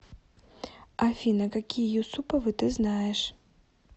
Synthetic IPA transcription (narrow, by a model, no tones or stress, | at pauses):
afʲinɐkakʲijjusupɐvɨt̪ɨznajɛʂ